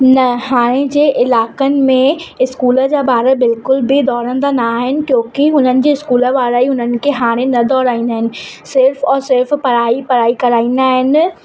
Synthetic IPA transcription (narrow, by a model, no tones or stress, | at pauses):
nɐhaːɽ̃ẽd͡ʑeːʔɪlaːkənɪ̆mẽɪskuːlə̆d͡ʑaːbaːɾəbɪlkʊlbɪd̪ɔːɾə̃nd̪anaːɦɪnɪ̆kjõːkɪɦʊnənɪ̆d͡ʑeːɪskuːlə̆ʋaːɾaiɦʊnənɪ̆kʰeɦaːɽ̃ẽnɐd̪ɔːɾaːĩːnd̪aːɦɪnɪ̆ | sɪɾfɔːɾsɪɾfpɐɾaːipɐɾaːikɐɾaːĩːnd̪aːɦɪnɪ̆